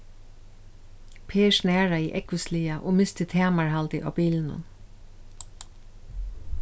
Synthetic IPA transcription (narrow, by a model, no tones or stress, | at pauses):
pʰeːʃnæːɹaḭːʔɛkʋəsliːaʔoːmɪst̪ɪt̪ʰɛːmaɹhalt̪ɪʔɑ̰ːwbiːlnʊ̰n